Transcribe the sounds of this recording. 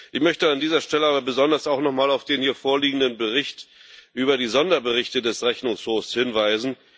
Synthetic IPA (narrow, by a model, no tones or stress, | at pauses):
ʔɪçmœçtəandiːzɐʃtɛləaːbɐbəzɔndɐsaʊxnɔχmaːlaʊfd̥eːnhiːɐfoːɐliːɡŋ̩dənbəʁ̞ɪçtʔyːbɐdiːzɔndɐbəʁɪçtədɛsʁɛçnʊŋshoːfshɪnvaɪzn̩